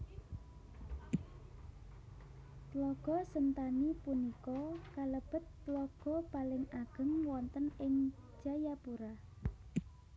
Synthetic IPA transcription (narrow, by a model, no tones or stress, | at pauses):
t̪lɔɡ̥ɔ̤sənt̪anipunikɔkaləb̥ə̤t̪ːlɔɡ̥ɔ̤palɪŋaɡ̥ə̤ŋwɔnt̪ənɪŋ̥d͡ʒ̥a̤japuɾa